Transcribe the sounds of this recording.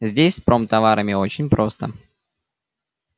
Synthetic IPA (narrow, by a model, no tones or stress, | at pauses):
zʲdʲesʲspɾo̞mt̪ɐvaɾʔəmʲɪo̞t͡ɕɪnʲpɾʔo̞st̪ə